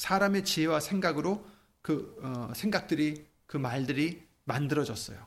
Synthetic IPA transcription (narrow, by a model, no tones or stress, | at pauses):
sʰaɾame̞t͡ɕiɦewasʰeŋɡaɡɯɾo | kɯʌsʰe̞ŋɡak̚t͈ɯɾi | kɯmaɭdɯɾi | mandɯɾʌd͡ʑʌs͈ʌ̰jo